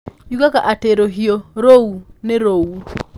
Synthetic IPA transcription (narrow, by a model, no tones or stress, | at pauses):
jukakaʔateɾoɦioɾounɛɾowu